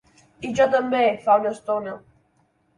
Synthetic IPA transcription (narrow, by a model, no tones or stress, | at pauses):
iʒɔt̪əmbefaunəst̪onə